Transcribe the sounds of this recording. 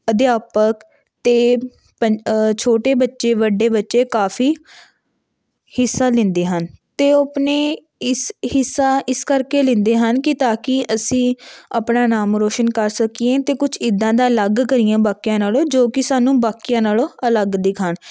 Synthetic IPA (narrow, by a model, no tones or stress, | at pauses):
əd̪ɪjaːpək | t̪eː | pət͡ʃʰoːʈeːbətːʃeːʋəɖːeːbətːʃeːkaːfʰiː | hɪsːaːlɪ̃nd̪eːɦənt̪eːopneː | ɪshɪsːaːʔɪskəɾkeːlɪ̃nd̪eːɦənkɪt̪aːkɪʔəsĩːa̰pnaːnaːmɾoːʃənkəɾsəkiẽːt̪eːkʊt͡ʃʰɪd̪ãːd̪aːləɡkəɾɪjãːbaːkijãːnaːloːd͡ʒoːkɪsaːnũːbaːkijãːnaːloːələɡd̪ɪkʰaːɳ